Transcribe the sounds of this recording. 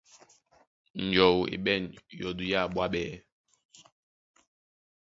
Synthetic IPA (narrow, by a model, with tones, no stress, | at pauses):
n̩˨d͡ʒɔ˨wḭ˨ɓɛ˦˨njɔ˨du˨ja˦˨ɓwa˦ɓɛ˦